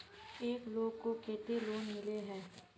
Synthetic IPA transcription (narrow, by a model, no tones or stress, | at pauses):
eːkloːɡkokeːt̪eloːnmɪleɦɛː